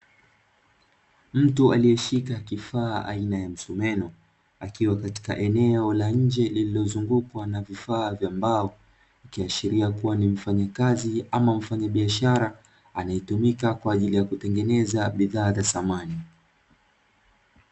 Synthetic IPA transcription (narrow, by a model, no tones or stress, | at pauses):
m̩tualiɛʃikakifaːʔa̰inajam̩sumɛnɔ | akiwakati̥ka̰ʔɛnɛɔlaɲ̩d͡ʒɛlililɔzuŋɡukwanavifaːvjambaɔ | ukiaʃiɾiakuwanim̩faɲakaziamam̩faɲaɓiaʃaɾa | anajitumikakwaːʄilijakutɛŋɡɛnɛzaɓiðaːzasamani